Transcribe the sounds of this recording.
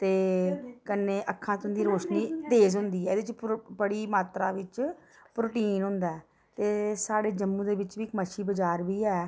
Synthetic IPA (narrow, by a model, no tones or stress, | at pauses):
t̪eːkəneːʔəkʰːãːt̪ond̪iːɾoːʃniːd̪eːs̬ɦʊ̃nd̪iːɛːd̪et͡ʃbəɽiːmaːt̪ɾaːʋɪt͡ʃ | pɾoːʈiːnɦʊ̃nd̪aɛː | t̪eːsaːɽeːd͡ʒəmːũːd̪eːʋɪt͡ʃʋiːkməʃiːbəd͡ʒaːɾbiːɛː